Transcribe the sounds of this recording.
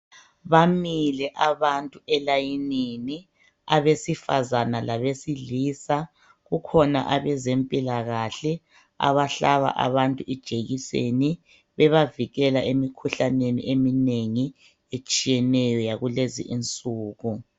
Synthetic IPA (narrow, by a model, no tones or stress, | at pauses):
βamilɛʔaβantʼuɛlajinini | aβesifazanalaβesiliːsa | ɣukʰɔna̰ʔaβɛzempʼilaɣaɬɛ | a̰βaɬaβa̰ʔa̰βantʼuʔid̥ʒ̥ʱeɣisḛni | βɛβaviɣɛlaʔemikʰuɬanenḭʔemineŋi | et͡ʃʼijɛnɛjɔjaɣulezḭʔint͡sʼuːɣu